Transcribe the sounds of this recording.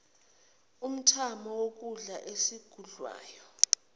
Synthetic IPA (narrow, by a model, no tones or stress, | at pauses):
um̩tʰamɔwok̬uɮaʔesiɡ̥ʱuɮwa̰ːjɔ